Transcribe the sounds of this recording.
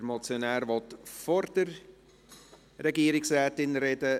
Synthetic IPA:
əɾmɔt͡sjonæːɾvɔtfɔɾd̥əɾ | rɛɡiəɾɪksrɛːtɪnɾɛdə

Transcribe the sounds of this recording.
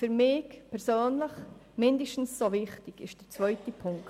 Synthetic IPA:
fyɾmɪːkpʰɛɾsøːnləχmɪndəʃtn̩ssovɪχtɪɡɪ̰ʃd̥əɾt͡svœʏtəpʰʊŋkt

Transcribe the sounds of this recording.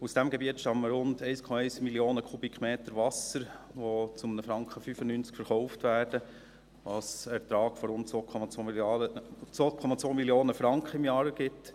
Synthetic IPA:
usd̥æmɡɛbiətʃtɑmməɾʊndɛɪskʰɔmɑɛɪsmiljoːnəkʰubikχmeːt̪əɾʋɑsəɾ | ʋot͡sʊmənəfɾɑŋkχəfyfənynt͡skfəɾχɔʊftʋæːrd̥ə | ʋɑsɛɾt̪ɾɑːɡfɔɾʊntt͡sʋoːkʰɔmɑt͡so | t͡sʋoːkʰɔmɑt͡sʋoːmiljoːnəfɾɑŋkχəɪmjɑːɾɡ̥ɪt

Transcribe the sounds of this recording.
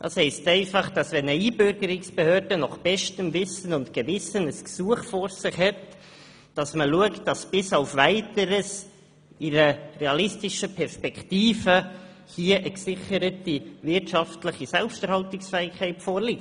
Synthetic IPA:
dɑ̰ːshɛɪstɛɪfɑχd̥ɑsvɛnəiːbøɾɡəɾɪksb̥ehøːɾdənɔχb̥ɛʃtəmvɪsənʊntkəvɪsənəsksuəχfɔɾsɪχhɛt | d̥ɑsməluəktd̥ɑsb̥ɪsɑʊfvæɪtəɾəs | iɾərɛɑlɪstɪʃəpʰɛɾspɛktiːfə | hiəʔəksɪχəɾətivɪɾtʃɑftləχisɛlpʃtɛɾhɑltɪksfɛːɪkʰɛɪtfɔːɾlik

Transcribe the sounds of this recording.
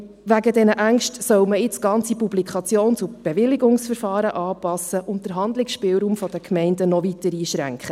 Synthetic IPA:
ʋæɡədɛnəʔæŋʃtsœwməɪt͡sɡ̥ɑnt͡sipublikʰχɑt͡sjoːnt͡sub̥ɛʋɪlːɪɡʊŋsfəɾfɑːɾəʔɑːpɑsəʔʊnt̚d̥əɾɦɑnd̪lɪksʃpɪːwɾuːmfɔd̥əkʰmɛɪndənɔvitəɾiːʃɾæ̰ŋkχə

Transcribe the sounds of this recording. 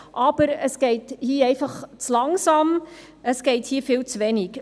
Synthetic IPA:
ʔɑb̥əɾəsɡ̥ɛɪthiːɛɪfɑχt͡slɑŋsɑm | əsɡ̥ɛɪthiːfiːlt͡sʋɛnik

